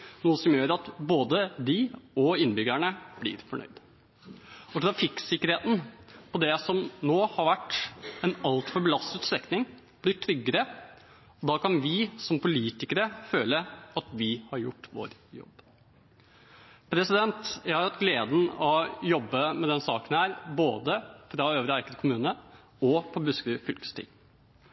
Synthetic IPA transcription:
nuːəsɔmjøːɾɑt̪boːd̪əd̪ɪɔɪnːbʏɡlæɳəb̥lɪ̰ːɾfɔɳœ̰ʏd̪ | ɔt̪ɾɑfɪksɪkːəɾheːt̪n̩pʰɔd̪ɛsɔmnoːhɑɾʋæʈːɛnɑlt̪fɔɾbəlɑst̪ʉt̪st̪ɾɛknɪŋ | b̥lɪʈʰɾʏɡːəɾə | ɔd̪ɑːkɑnʋɪsɔmpʰʊliːt̪ɪkəɾəføːləɑt̪ʋɪhɑɾjʊ̰ʈːʋo̰ːɾjɔ̰b | pʰɾɛsɪd̪ɛnt̪jæɪhɑɾʋæʈ̪ɡleːd̪n̩ɔjɔbːəmɛd̪ɛnsɑːkənhæːɾboːd̪əfɾɑøːʋɾəæɾkəd̪kʰʊmʉːnə | ɔpʰɔbʉskʉfʏlkst̪ʰɪ̰ː

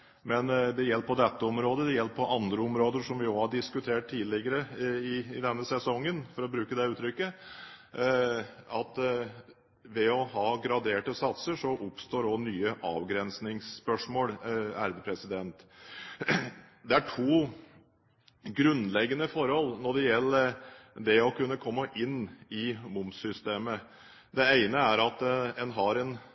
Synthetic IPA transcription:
mɛnd̪ɛjɛlpʰɔd̪ɛt̪ːəɔmɾoːd̪əd̪ɛjɛlppʰɔʔɑnd̪ɾəɔmɾoːd̪əʂɔmʋɪoːhɑɖɪskʉt̪ʰeːʈ̚t̪ʰiːlɪɡəɾəɪɪd̪ɛnːəsɛsɔŋːənfɔɾɔbɾʉːkəd̪ɛʉːt̪ʰɾʏkːə | ɑt̪ | ʋɛɔɦɑːɡɾɑd̪eːʈəsɑt̪səʂɔʔʊpst̪oːɾɔnyːəʔɑ̰ːʋɡɾɛnsnɪŋspœʂmoːlæɾd̪əpʰɾɛsɪd̪ɛnt̪ | d̪ɛæʈʰuː | ɡɾʉnlɛɡənəfɔɾhɔlnɔɖɛjɛlːəd̪ɛɔkʰʉnːəkʰɔmːəʔɪnːɪmʊmsʏst̪eːmə | d̪ɛæɪnəæɾɑt̪ɛnɦɑɾɛn

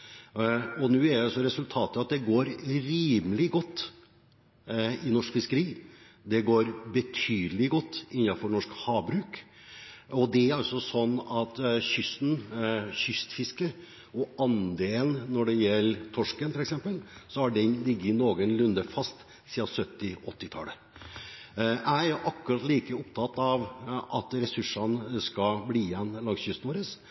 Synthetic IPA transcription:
ɔnʉːæɖɛɑsɔɾɛsʉlt̪ʰɑːt̪əɑt̪̚d̪ɛɡoːɾɾiːməlɪɡɔt̪ː | ɪnɔʂkfɪskəɾiː | d̪ɛɡoːɾbət̪ʰyːd̪əlɪɡɔt̪ːɪnːɑfɔɳɔʂkhɑːbɾʉːk | ɔd̪ɛæɾɑlsɔsɔnːɑt̪ɕʏsn̩çʏst̪fɪskə | ɔʔɑnd̪eːlənnːɔɖɛjɛlːt̪ʰɔʂkənfɔlɛksɛmpəlsɔæɖɛnlɪɡːəɪnoːɡənlʉnd̪əfɑst̪ | siːɑsœt̪ːɪʔɔt̪ːɪt̪ʰɑ̰ːlə | æɪæʔɑkːʉɾɑt̪liːkəɔpt̪ʰɑt̪ːɑʋʔɑt̪ɾɛsʉʂːɑnskɑbliːjɛnːlɑŋsjʏst̪noːɾəs

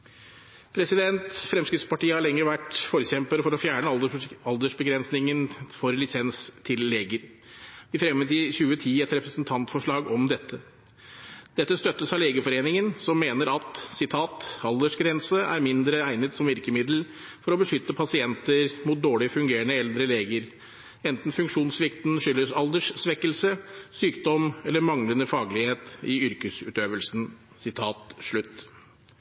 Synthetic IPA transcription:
pʰɾɛsɪd̪ɛnt̪fɾɛmskɾɪt̪spɑʈiːəhɑɭɛŋːəɾəʋæʈfɔːɾəçɛmpəɾfɔɾɔfjæːɳəɑld̪əʂbəɡɾɛnsnɪŋənfɔɾlɪsɛnst̪ʰɪlːeːɡəɾ | ʋɪfɾɛmːət̪ɪçʉːət̪ʰiːɛt̪ɾɛpɾəsnt̪ʰɑnt̪fɔʂɭɑːɡɔmd̪ɛt̪ʰːə | d̪̥ɛt̪ːəst̪œt̪ːəsɑleːɡəfɔɾeːnɪŋənsɔmːeːnəɾɑt̪sɪt̪ʰɑːt̪ɑld̪əʂɡɾɛnsəʔæ̰ɾmɪnd̪ɾəæɪnət̪sɔmʋɪɾkəmɪd̪l̩ | fɔɾɔbəʂʏt̪ːəpʰɑsɪɛnt̪əɾmuːt̪̚d̪oːɭɪfʉŋɡeːɾəɳəɛld̪ɾəleːɡəɾ | ɛnt̪n̩fʉŋkʂuːnsʋɪkt̪n̩ʂʏlːəsɑld̪əʂsʋɛkːəlsəsyːkd̪ɔmɛlːəɾmɑŋlənəfɑːɡlɪheːt̪ɪʏɾkəsʉ̰ːt̪øːʋəlsn̩ | sɪt̪ʰɑːt̪ʂɭʉt̪ː

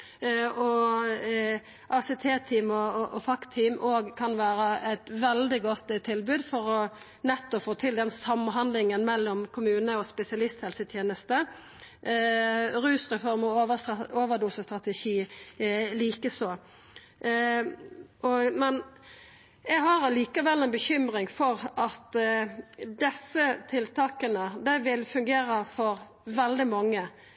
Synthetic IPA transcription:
ɔ | ʔɑsɛt̪ʰeːt̪ʰiːmɔʔɔfɑkt̪ʰiːmʔoːɡkʰɑnʋæːɾəæɪt̪ʋɛld̪ɪɡɔt̪ːt̪ʰːɪlbʉːd̪fɔɾɔ | nɛt̪ːɔfoːt̪ʰɪld̪ɛnsɑmɦɑnd̪lɪŋənmɛlːɔmkʰʊmʉːnəɔspɛsɪɑlɪst̪hɛlsət̪ʰjeːnəst̪ə | ɾʉːsʁɛfɔɾmɔəoːʋəd̪uːsəst̪ʁɑt̪ɛʃiː | liːkəsoː | ʔɔmɛn | ɛɡɦɑɾɑliːkɑʋɛlːɛɪnbəçʏmɾɪŋfɔɾɑt̪ | d̪ɛsət̪ʰɪlt̪ʰɑːkənəd̪æɪʋɪlfʉŋɡeːɾəfɔɾ | ʋɛld̪ɪmɑŋːə

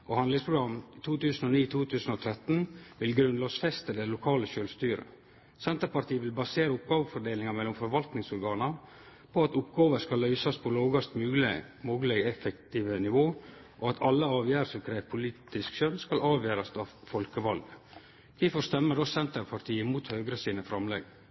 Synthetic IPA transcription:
ʔɔhɑnd̪lɪŋspʰɾʊɡɾɑmt̪ʰuːt̪ʉːsnɔniːt̪ʰuːt̪ʰʉːsən̩ɔt̪ʰɾɛt̪ːnʋɪlɡɾʉnlɑːsfɛst̪əd̪ɛlʊkʰɑːləʃøːlʋst̪yːɾə̰ | sɛnt̪əɾpɑɾʈ̪iːəʋɪlbɑseːɾəʊp̚ɡɑːʋəfɔɖeːlɪŋɑmɛlːʊmfɔɾʋɑlt̪nɪŋsɔɾɡɑːnə | pʰɔɑt̪ʊpɡɑːʋəɾskɑlœʏsɑspʰɔloːɡɑst̪mʉː | moːɡəlɛɡɛfəkt̪iːʋənɪʋoː | ʔɔɑt̪ʰɑlːəɑːʋjæːɾəsɔmkʰɾeːʋpʰʊliːt̪ɪskʃœnskɑlɑːʋjæːɾɑst̪ɑʋfɔlkəʋɑlɡ | kʰɛfɔst̪ɛmːəɖɔsɛnt̪əɾpʰɑɾt̪ʰiːəmuːt̪høːɡɾəsiːnəfɾɑmlɛɡ

